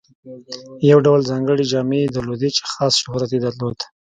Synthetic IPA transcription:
jawɖawlzɑŋɡəɽid͡ʒɑmed̪əlod̪it͡ʃxɑsʃʊhɾat̪ed̪aɾlod̪̥

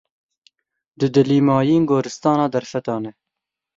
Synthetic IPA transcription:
d̪ɨd̪ɨliːmɑːjiːŋɡoːɾɨst̪ɑːnɑːd̪ɐɾfɛt̪ɑːnɛ

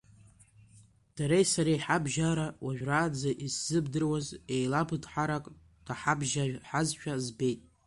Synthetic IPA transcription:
d̥aɾejsaɾeħabʒaɾawaʒᶣraːd͡zaʔisz̥ɨbdɨrwaze̞jlabʰɨdħaɾakʼ | d̥aħabʒaħazʃᶣazbe̞jtʼ

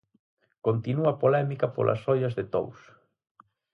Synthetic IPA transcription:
kont̪inuɐpolɛmikɐpo̰lʔɐ̰sɔʎɐzðɪt̪o̰ws

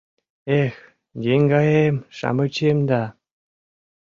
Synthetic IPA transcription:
ex | jeŋɡɑjemʃɑ̰mɤt͡ɕemd̪ɑ

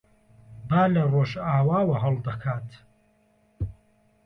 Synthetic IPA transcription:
baːlɐroːʃaːwaːwɐɦɐlˠd̪ɐkʰaːt̪

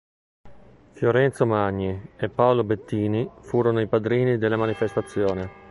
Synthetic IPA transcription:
fjoɾɛnt̪somaɲːiepːaolobet̪ːiːnifuːɾonoipad̪ɾiːnid̪elːamanifest̪at̪sːjoːne

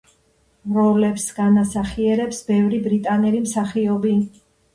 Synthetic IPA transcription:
vɾɔlɛpsɡ̥anasaχiɛɾɛpsbɛvɾibɾit̪ʼanɛlimsaχiɔbi

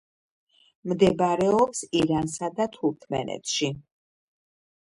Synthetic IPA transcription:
md̪ɛbaɾɛɔpsiɾansad̪at̪ʰuɾt̪ʰmɛ̰nɛ̰t̪ʰʃi

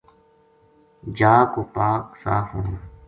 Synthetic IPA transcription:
d͡ʒaːkoːpaːksa̰ːfũː

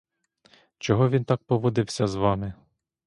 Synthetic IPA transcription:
t͡ʃɔɦɔʋʲint̪ɑk̚pɔʋɔd̪ɪwsʲɐzʋɑmɪ

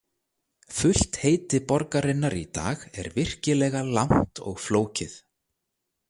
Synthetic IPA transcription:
fʏl̥t̪heːjt̪ɪpɔɾkaɾɪnːaɾḭt̪a̰ːɣɛ̰ɾvɪr̥cɪlɛːɣalawn̥t̪ɔ̰ɣfloːwcɪθ

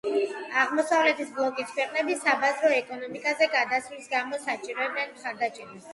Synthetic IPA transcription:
aʁmɔsavlɛt̪ʰisblˠɔkʼit̪ʰkʰwɛqʼnɛbisabazɾɔɛkʼɔnɔmikʼazɛɡad̪asulisɡamɔsat͡ʃʼiɾɔɛb̪ɛnmχaɾd̪at͡ʃʼɛɾa

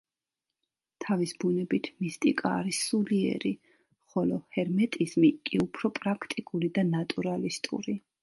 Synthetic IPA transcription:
t̪ʰavisbunɛbit̪ʰmist̪ʼikʼaːɾisuliɛ̰ɾi | χɔlɔhɛɾmɛt̪ʼizmikʼiupʰɾɔpʼɾakʰt̪ʼikʼulid̪anat̪ʼuɾalist̪ʼṵɾi

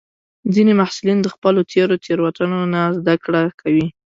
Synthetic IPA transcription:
zinemahsulind̪əxpəlot̪ʰeɾot̪ʰeɾwat̪anonazd̪akɽakʰawi

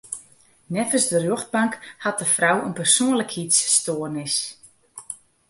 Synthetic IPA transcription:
nɛfəsdərjøχt̚baŋkhat̚dəfrawənpərsoːnləkhitsːtoːərnɪs

